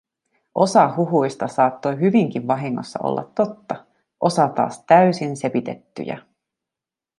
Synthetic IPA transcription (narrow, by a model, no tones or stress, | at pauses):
ʔo̞sɑɦuɦujst̪ɑsɑːt̪ːo̞jɦyʋiŋk̟iʋʋɑɦiŋːo̞̰sːɑ̰ʔo̰lːɑ̰t̪ːo̞t̪ːɑ | ʔo̞sɑt̪ɑ̰ːst̪æysinse̞pit̪e̞t̪ːy̰jæ̰